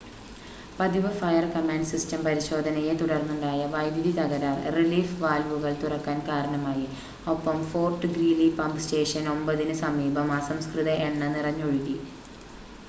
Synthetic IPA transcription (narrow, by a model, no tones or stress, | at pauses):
pɐd̪iʋɐfɐjɐrkɐmaːnɖsistɐmpɐɾiɕo̞ːd̪ʱɐnɐjet̪uɽɐrnːuɳɖaːjɐʋɐjd̪ʱjiðit̪ɐɣɐɾaːrriliːfʋaːlʋuɣɐɭt̪urɐkːaːnkaːɾɐɳɐmaːji | opːɐmfo̞ːrʈːɨɡriːlipɐmpste̞ːʂɐno̞mbɐðinɨsɐmiːbʱɐmaːsɐmskrɨðɐʔeɳːɐnirɐɲːoɻuɣi